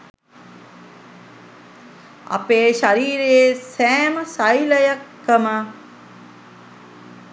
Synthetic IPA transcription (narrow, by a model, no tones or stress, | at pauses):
a̰peːʃaɾiːɾejesæːməsajləjakːəmə